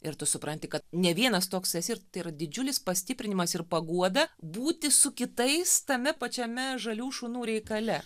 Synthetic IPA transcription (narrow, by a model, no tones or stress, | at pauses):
ɪɾt̪ʊsʊpɾɐnʲt̪ʲɪkɐt̪nʲɛʋʲiɛnɐst̪oːksɛsʲɪɾt̪ɐɪirɐd̪ʲɪd͡ʒʲʊlʲɪspɐsʲt̪ʲɪpʲɾʲɪnʲɪmɐsɪrpɐɡuɔd̪ɐbuːt̪ʲɪsʊkʲɪt̪ɐɪst̪ɐmʲɛpɐt͡ʃʲɛmʲɛʒɐlʲuːʃunuːɾʲɛɪkɐlʲɛ